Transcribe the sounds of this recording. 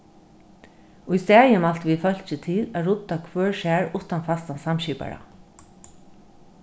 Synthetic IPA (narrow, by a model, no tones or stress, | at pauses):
ujst̪ɛːjɪmal̥t̪viðfœl̥t͡ʃɪt̪ʰɪlæɾʊt̪ːakʰvœːɹʃɛːɹʊht̪anfast̪ansamɕiːpa̰ɹa̰